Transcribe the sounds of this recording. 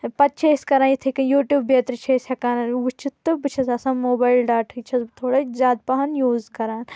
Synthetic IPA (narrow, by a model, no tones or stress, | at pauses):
pɐt̪t͡ʃʰeːskɐɾaːnjit̪ʰikɐnjuːʈjuːbbet̪ɾit͡ʃʰɐshɐkaːnʋut͡ʃʰut̪ːɨbɨt͡ʃʰɐsɐsãːmoːbaːilɖaːʈʰɨt͡ʃʰɐzbt̪ʰoːɽɐzaːd̪̚pɐɦɐnjuːzkɐɾaːn